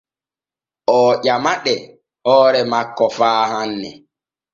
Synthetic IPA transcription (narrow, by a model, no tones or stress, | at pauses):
ʔɔːʄamaɗɛ | hɔːɾɛmakːɔfaːhanːɛ̰